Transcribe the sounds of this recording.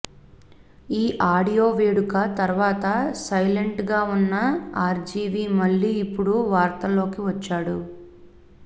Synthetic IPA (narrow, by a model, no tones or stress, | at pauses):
iːʔaːɽijo̞ːʋeːɽukɐt̪ɐɾʋaːt̪ɐsɐjleɳʈɡaːunːɐaːɾd͡ʒiːʋiːmɐɭːiːpːuɽuʋaːɾt̪ɐlo̞ːkiʋɐt͡ʃːaːɽu